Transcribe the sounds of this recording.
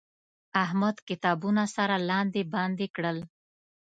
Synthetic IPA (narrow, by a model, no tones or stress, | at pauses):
aɦmad̪kɪt̪ɑbunasaɾalɑnd̪ebɑnd̪ekɽəl